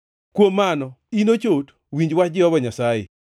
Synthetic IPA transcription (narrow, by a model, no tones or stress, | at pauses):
kwomːanɔ | inot͡ʃot | wiɲd͡ʒwat͡ʃd͡ʒɪɔbɔɲasajɛ̰